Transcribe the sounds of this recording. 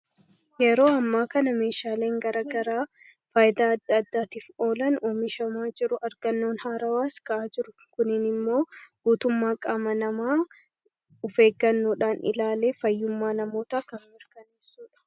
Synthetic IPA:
jɛɾo̞ːɐmːaːkɐnɐme̞ːʃaːle̞ːŋɡɐɾaɡɐɾaː | faːjɪd̪aːɐd̪ːɐːd̪ːaːt̪iːfo̞ːlɐnoːmɪʃɐmaːd͡ʒɪɾʊʔɐɾɡɐnːo̞ːnhaːɾɐwaːskɐʔaːd͡ʒɪɾʊ | kʊnɪnɪmːo̞ːɡ̥uːt̪ʊmːaːkʼaːmɐnɐmaː | ʊfe̞ːɡːɐnːuːᶑaːnɪ̰laːle̞ːfɐjːʊmːaːnɐmo̞ːt̪aːkɐmmɪɾkɐneːsuːᶑɐ̥

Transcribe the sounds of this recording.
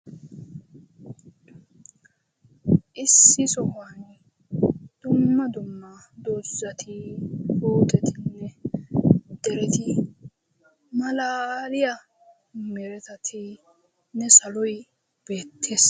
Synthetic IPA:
ʔɪsːɪsɔhaːn | d̪̥ʊmːɐd̪ʊmːɐ | d̪ozːɐt̪ʰɪhoːt̪ʼɛt̪ɪnːɛ | d̪̥ɛɾɛt̪ɪ | mɐlaːlɪjɐ | mɛɾɛt̪ɐt̪ʰɪ | nɛsɐlɔj | b̥e̞ːt̪ʰːeːs

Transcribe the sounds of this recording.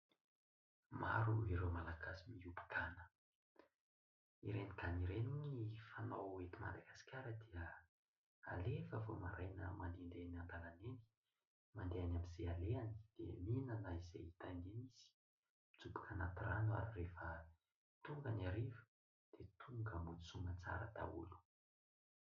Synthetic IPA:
maɾuiɾewmalaɡasimiubi̥kʰanə̥ | iɾeniɡaniɾeninifanawet̪ima̰nd̪aɡasi̥kʲaɾəd̪iə | alefəvomaɾajnə̰mand̪ind̪enand̪alaneni̥ | mand̪eanamizealeani̥d̪̥ḛminənaizḛit̪aneniz̥i̥ | mid͡zubi̥kʰanat̪iranua̰ɾirefə | t̪uŋɡəniaɾivu̥ | d̪̥et̪ʰuŋɡəmut͡suŋɡət͡sa̰ɾəd̪a̰ṵlu̥

